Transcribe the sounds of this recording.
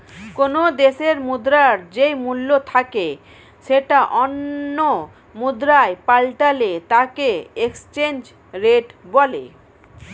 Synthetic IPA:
konod̪eʃeɾmud̪ɾaɾd͡ʑejmulːot̪ʰake | ʃeʈaʔonːo | mud̪ɾaepalʈalet̪akeekst͡ɕend͡ʑ | ɾeʈbɔlḛ

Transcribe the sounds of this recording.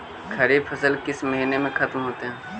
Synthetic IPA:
kʰɐɾefʰɐsəlkɪsmɐɦiːnemẽxɐt̪mɦoːt̪eɦɛ̃ː

